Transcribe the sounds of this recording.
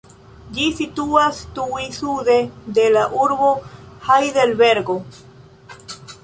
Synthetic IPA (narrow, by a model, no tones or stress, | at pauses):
d͡ʒisit̪uast̪uisuðed̪elaʔuɾbohajðelbeɾɡo